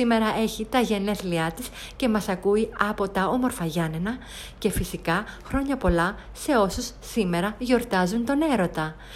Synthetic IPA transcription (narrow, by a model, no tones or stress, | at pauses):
ime̞ɾɐʔe̞çit̪ɐʝe̞ne̞θliɐt̪is | ce̞mɐsɐkuiɐpo̞t̪ɐo̞mo̞ɾfɐʝɐnenɐ | ce̞fisikɐxɾo̞ɲɐpo̞lɐ | se̞o̞susːime̞ɾɐʝo̞ɾt̪ɐzunt̪o̞ne̞ɾo̞t̪ɐ